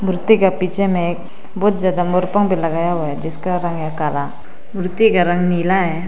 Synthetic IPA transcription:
mʱɾʊt̪ːikapit͡ʃʰemẽek̚ | bɔːt̪̚d͡ʒjaːd̪amoɾpəŋbʱilɐɡajaɦojad͡ʒɪskaɾə̃ŋjakaːla | mʱɾʊt̪ːikaɾə̃ŋnilaɦɛ

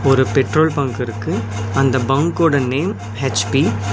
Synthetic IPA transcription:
ɔɾɯpɛʈɾoːlpɐŋɡɪɾɯkːɯ | ɐnd̪ɐbɐŋkoːɽɐneːm | het͡ʃpi

